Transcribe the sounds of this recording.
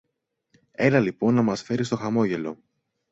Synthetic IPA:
e̞lɐlipo̞nːɐmɐsfe̞ɾist̪o̞xɐmo̞ʝe̞lo̞̰

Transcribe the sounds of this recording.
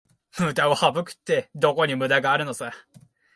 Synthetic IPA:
mɯ̟d̪aohabɯ̟kɯ̟̥t̪ːe̞d̪o̞ko̞ɲ̟imɯ̟d̪aɡaːɾɯ̟no̞se

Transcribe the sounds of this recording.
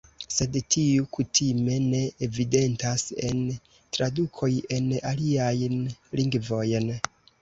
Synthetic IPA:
se̞dtʰiukutʰime̞ne̞evide̞ntase̞n | tɾadukʰo̞je̞naliajnliŋɡvo̞jn

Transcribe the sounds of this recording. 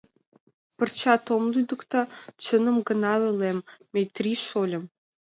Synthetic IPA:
pə̆rt͡ɕɑt̪omlyd̪ə̆kt̪ɑt͡ɕə̆nə̆mɡə̆nɑβɘ̆lemː | ejt̪rʲiʃolʲə̆m

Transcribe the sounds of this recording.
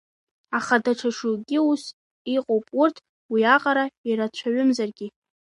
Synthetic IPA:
aχadaʈ͡ʂʰaʂuɡʲɪus | iqʼowpʼʊrtʰ | wiaqʼaɾaiɾat͡ɕʷʰaɥʏmzarɡʲɪ

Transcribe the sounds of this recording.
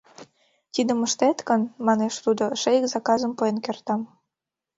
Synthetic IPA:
t̪id̪ə̆məʃt̪et̪kənmɑneʃt̪ud̪oʃejikzɑkɑzəmpoenkert̪ɑm

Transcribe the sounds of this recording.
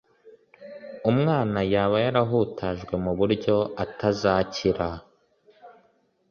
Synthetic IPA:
umŋaːnajaːβajaɾaɦuːtʰaʒɡwe̞muβuɾɟo̞atʰazaciɾa

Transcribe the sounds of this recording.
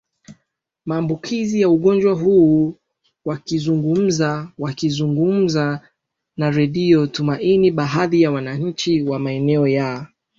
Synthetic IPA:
maːmbukʰizijauɠɔnd͡ʒwaɦuː | wakizuŋɡum̩zawakizuŋɡum̩za | naɾɛɗiɔtumaʔiniɓaɦaðijawanaɲ̩t͡ʃiwamaɛnɛɔjaɔ

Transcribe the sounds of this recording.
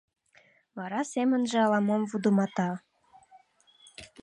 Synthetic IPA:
βɑɾɑsemə̆nʒĕɑlɑmomvud̪umɑt̪ɑ

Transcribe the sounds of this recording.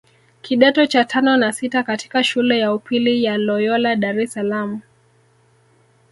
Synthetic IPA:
kʰiɗɛtɔt͡ʃatʰanɔnasitakati̥kaʃulɛjaupilijalɔjɔlaɗaɾɛsalamu

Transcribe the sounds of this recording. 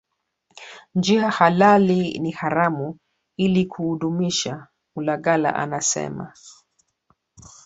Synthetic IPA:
nd͡ʒiɦahalalinihaɾamu | ilikʰuhuɗumiʃa | mulaɠala̰ʔa̰nasɛ̰ma̰

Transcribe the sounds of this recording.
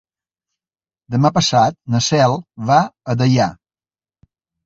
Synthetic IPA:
d̪əmapəsat̪̚nəsɛlˠβaəðəʎa

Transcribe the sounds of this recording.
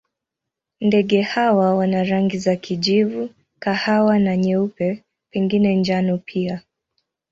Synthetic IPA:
ndɛɠɛhawawanaɾaŋɡizakʰiʄivu | kahawanaɲɛupɛ | pɛŋɡinɛnd͡ʒanɔpʰia

